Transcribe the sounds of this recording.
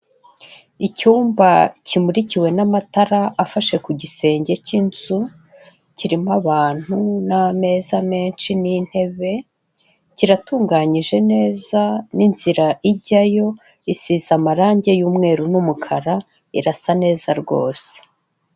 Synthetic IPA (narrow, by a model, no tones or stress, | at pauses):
icuːmbacimuɾiciwe̞namataɾaʔafaʃe̞kuɟise̞ːɲɟe̞cinzu | ciɾimaβaːn̥huname̞zame̞ːnʃinin̥he̞βe̞ | ciɾatuːŋɡaɲiʒe̞ne̞ːzaninz̥iɾaʔiɟajo̞ | isizamaɾaːɲɟe̞juːmŋe̞ːɾunumukʰaɾa | iɾasane̞ːzaɾɡo̞̰ːse̥